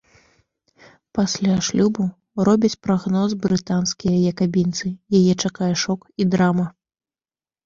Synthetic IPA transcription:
pasʲlʲaʂlʲubu | rɔbʲɐt͡sʲpɾaɣnɔzbɾɨt̪anskʲijɐjɐkabʲint̪sɨjajɛt͡ʂakajɐʂɔkid̪ɾamɐ

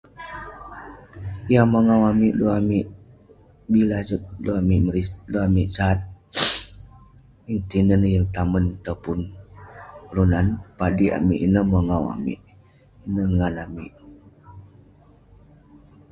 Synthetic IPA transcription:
jaməŋawamiʔluamiʔ | bilazət̪̚loamiʔməɾiloamiʔsat̪̚ | iŋt̪inənəjəŋt̪amənt̪əpʊn | ɾunanpadia̰miʔinəməŋawa̰mḭʔ | inəŋanamiʔ

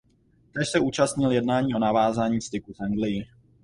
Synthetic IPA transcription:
t̪ɛʃsɛʔuːt͡ʃast̪ɲɪljɛdnaːɲiːʔo̞navaːzaːɲiːst̪ɪkufʔaŋɡlɪjɪ

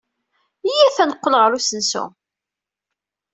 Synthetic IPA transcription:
jiθænəqːəlʁəɾusənsṵ

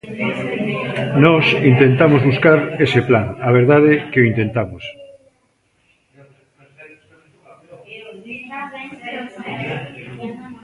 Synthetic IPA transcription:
nɔsint̪ent̪amozβuskaɾeseplaŋaβ̞eɾðaðekeoint̪ent̪amos

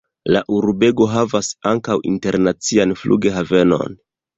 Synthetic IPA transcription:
laʔuɾbe̞ɡo̞ɦavasaŋkawʔḭnte̞ɾnat͡sianflṵɡe̞ɦave̞no̞̰n

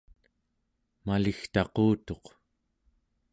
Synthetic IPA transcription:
malixt̪ɑquːt̪o̞q

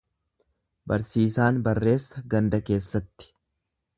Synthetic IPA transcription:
bɐ̰ɾsiːsaːnbɐrːe̞ːsːɐɡɐnd̪ɐke̞ːsːɐt̪ːɪ̥

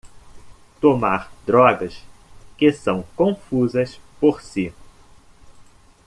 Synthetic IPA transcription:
t̪omaɾd̪ɾɔɡɐskɪsɐ̃w̃kõfuzɐspoɾsi

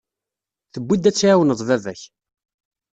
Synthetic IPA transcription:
θəbːid̪ːæt͡sːʕawənəðˤvævæç

